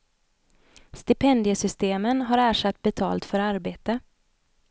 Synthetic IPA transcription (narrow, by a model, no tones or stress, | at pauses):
st̪ɪpʰɛnd̪ɪjəsʏst̪eːmənɦaɾæːʂat̪ːbɛt̪ʰɑ̰ːlt̪fœɾaɾbeːt̪ə